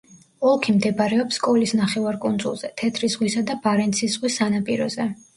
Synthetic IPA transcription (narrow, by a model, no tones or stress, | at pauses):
ɔlˠkʰimd̪ɛbɾɛɔpsːkʼɔlisnaχɛvaɾkʼund̪zṵlˠz̥ɛt̪ʰɛt̪ʰɾisʁwisad̪ab̥aɾɛnt̪sʰiszʁwisːanapʼiɾɔ̰zɛ